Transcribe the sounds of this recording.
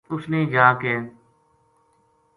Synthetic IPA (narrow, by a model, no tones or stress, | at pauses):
ʊsneːd͡ʒaːkɛː